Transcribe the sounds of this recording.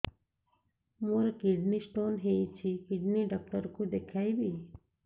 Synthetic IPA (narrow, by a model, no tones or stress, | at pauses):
moɾekɪɖnisʈoːnɦejt͡ʃʰikɪɖniɖək̚ʈəɾkũd̪ekʰaːjbi